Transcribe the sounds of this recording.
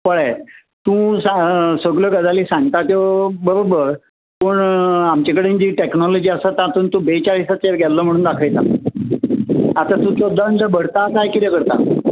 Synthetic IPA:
pəɭaj | t̪ũsasəɡljɔɡəd͡zaliːsãŋɡ̚t̪at̪jobəɾobəɾ | pəːɳamt͡ɕakəɽend͡ʑiːʈeknɔlɔd͡ʑiːəsat̪ãt̪uːnt̪ũbet͡ɕaɭisaeɾɡʱɛllːɔm̤əɽ̃uːnd̪akʰəjt̪a̰ | at̪at̪ũt̪jod̪əɳd̪əbʱəɽt̪akajkit̪ɛkəɾt̪a̰

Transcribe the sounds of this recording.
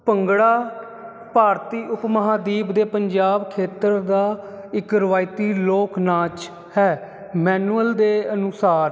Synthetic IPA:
pəŋɡɽaː | paːɾt̪iːʔʊpməɦaːd̪iːbd̪eːpəɲd͡ʒaːbkʰeːt̪əɾd̪aː | ɪkɾəʋaːɪt̪iːloːknãːt͡ʃ | hɛː | mɛːnuəld̪eːənʊsaːɾ

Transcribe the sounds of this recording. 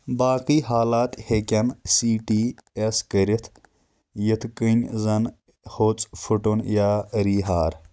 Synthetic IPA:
baːkiːɦaːlaːt̪hekʲɐnsiːʈiːeskəɾit̪ʰ | jit̪ʰkɨnʲzɐn | hoːt͡sʼfʰuʈunjaːɾiːɦaːɾ

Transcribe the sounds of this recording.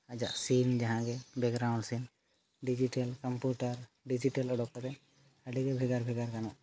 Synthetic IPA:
ad͡ʒa̰ʔsind͡ʒaɦãɡɛbɛkɾaw̃ɳɖsin | ɖid͡ʒiʈəlkəmpjuʈaɾ | ɖid͡ʒiʈəlɔɖɔkːɔt̪ɛ | əɖiɡɛbʱɛɡaɾbʱɛɡaɾkanɔʔ

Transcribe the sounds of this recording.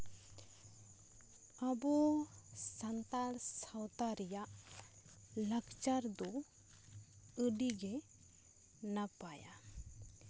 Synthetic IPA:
abɔ | sant̪alsawt̪aɾijaʔ | ləɡt͡ʃaɾd̪ɔ | əɖiɡɛ | napaja̰

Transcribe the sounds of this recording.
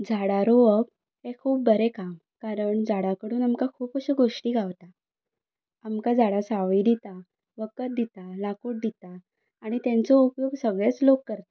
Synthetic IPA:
d͡zʱaɽaɾoʋək̚ | ɦekʰuːp̚bəɾekam | kaɾəɳd͡zaɽakəɽuːnamkakʰuːpkəɕəɡoʂʈiːɡʱaʋt̪a | amkad͡zaɽasaʋid̪it̪a | ʋəkət̪̚d̪it̪alakuːʈ̚d̪it̪aː | ɽ̃it̪jãnt͡sɔupjoɡsəɡɭet͡slokːəɾt̪ḁ

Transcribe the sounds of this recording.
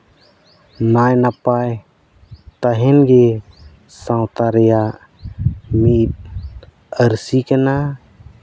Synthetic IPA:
najnapaj | t̪aɦenɡe | sãwt̪aɾja | mit̪̚ | əɾsikena

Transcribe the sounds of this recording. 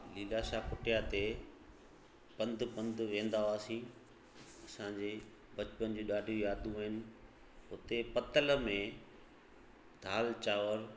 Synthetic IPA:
liːlaʃakʊʈɪjat̪e | pɐ̃nd̪ʱʊpɐ̃nd̪ʱʊʋẽːn̆d̪aaːsĩ | ɐsãːɲd͡ʑeː | bɐt͡ɕpənd͡ʑuːɗaːɖʱjũjaːd̪ũɦɪnɪ̆ | ʊt̪epɐt̪əl̆mẽ | d̪ʱaːlt͡ɕaːʋəɾ

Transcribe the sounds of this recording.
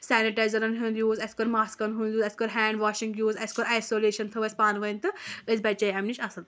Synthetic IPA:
sɛːniʈajzɐɾɐnɦund̪ʲjuːzɐsʲkɔɾmaːskɐnɦund̪ʲjuːzɐsʲkɔɾɦɛːɳɖʋaːʃiŋɡjuːzɐsʲkɔɾajsoːleːʃɐnt̪ʰɨʋɐsʲpaːnʋɐnʲt̪ɨɨzʲbɐt͡ʃɐiɐmnit͡ʃɐsɨnd̪

